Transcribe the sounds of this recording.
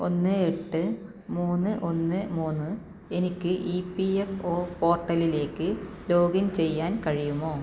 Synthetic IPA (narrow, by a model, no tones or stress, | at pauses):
o̞nːɨe̞ʈːɨ | muːnːɨʔo̞nːɨmuːnːɨ | e̞nikʲːɨʔipːiefo̞ːpo̞ːrʈːɐlile̞ːkːɨlo̞ːɡɐnt͡ɕe̞jːaːnkɐɻijumo̞ː